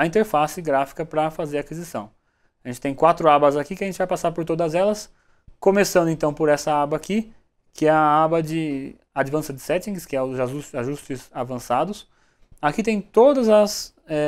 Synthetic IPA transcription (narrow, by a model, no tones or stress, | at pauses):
ɐĩnt̪eɾfasɪɡɾafi̥kɐpɾɐfazeɾakizisɐ̰̃w̃ | aʒẽt͡ʃɪt̪ẽj̃kwat̪ɾʊabɐzakikɪɐʒẽnt͡ʃɪvajpasaɾpoɾt̪od̪ɐzɛlɐs | kõmesɐ̃nd̪ʊẽnt̪ɐ̃w̃poɾɛsɐabɐaki | kʰɪɛɐabɐd͡ʒɪ | ad͡ʒivɐ̃sɐd͡ʒ̪ɪsɛt͡ʃ̪ĩɡɪskɪɛʊzausaʒust͡ʃɪzavɐ̃sad̪ʊs | akit̪ẽj̃t̪od̪ɐzɐs | ɛ